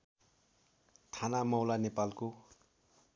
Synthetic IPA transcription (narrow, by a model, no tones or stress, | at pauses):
t̪ʰanamʌwlanepalko